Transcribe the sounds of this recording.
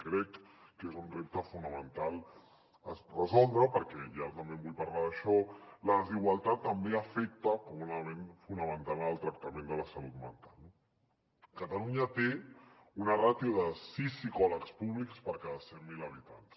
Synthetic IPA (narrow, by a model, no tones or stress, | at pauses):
kɾɛkːezunrep̚t̪əfunəmənt̪alˠ | ərəzɔlˠd̪ɾəpəɾkɛjat̪əmbembuʎpaɾlaðəʃɔləðəziɣwalˠt̪at̪ːəmbeəfɛk̚t̪əkumunalmenfunəmənt̪alnəlˠt̪ɾək̚t̪əmẽnd̪ələsəlut̪mə̰nt̪alˠ | kət̪aluɲət̪eunərat̪iuðəsisikɔləkspuβ̞likspəɾkaðəsɛmmiləβ̞it̪ans